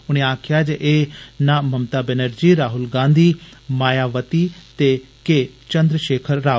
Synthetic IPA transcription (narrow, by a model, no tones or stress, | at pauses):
ʊñẽːaːkʰɪjaːd͡ʒeʔeːnãːməmt̪aːbɛnəɾd͡ʒiːɾaːɦʊlɡãːnd̪ʱiːmaːjaːʋət̪iːt̪eː | keː | t͡ʃə̃nd̪ɾəʃeːkʰəɾːaː